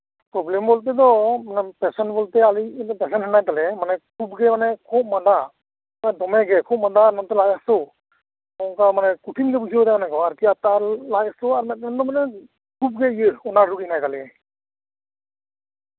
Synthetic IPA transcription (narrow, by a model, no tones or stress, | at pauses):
pɾɔblɛmbɔlt̪̬ɛd̪ɔmanɛpɛsɔnbɔlt̪ɛalipɛsɛnɦɛnajkalɛmanɛkʰub̚ɡɛmanɛkʰub̚mad̪a | anɛd̪ɔmɛɡɛkʰup̚mad̪aɾnɔmt̪ɛlajasɔ | ɔŋkamanɛkuʈʰinɡɛpujsibad̪amanɛɡɔwaɾkiat̪alajasɔaɾmɛt̪̚nɛnd̪ɔmanɛ | kup̚ɡɛijəɔnaɾukhinajkalɛ